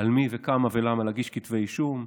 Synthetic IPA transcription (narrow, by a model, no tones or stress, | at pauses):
almivekamavelamalaɡiʃkit̪vejʃum